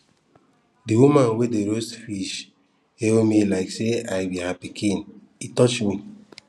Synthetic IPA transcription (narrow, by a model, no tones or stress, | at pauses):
diwumãnwedeɾosfiʃ | emilaɪkseaɪbiɦapikʰĩn | itɔt͡ʃmi